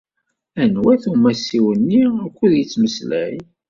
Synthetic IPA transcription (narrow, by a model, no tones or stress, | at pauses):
ænwæθumæsiwənːiækʷːuðjət͡sːməslæ̰j